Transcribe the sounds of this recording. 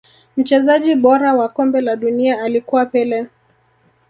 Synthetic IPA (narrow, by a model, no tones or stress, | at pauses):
m̩t͡ʃɛzaʄiɓɔɾawakɔmbɛlaɗuniaːlikuwapɛlɛ